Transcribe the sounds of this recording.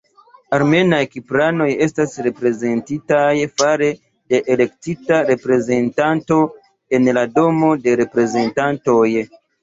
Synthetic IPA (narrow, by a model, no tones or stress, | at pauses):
aɾme̞najkipɾano̞je̞stasɾe̞pɾe̞ze̞ntitajfaɾe̞ | de̞ʔele̞k̚titaɾe̞pɾe̞ze̞ntanto̞ | e̞nlado̞mo̞de̞ɾe̞pɾe̞ze̞ntanto̞j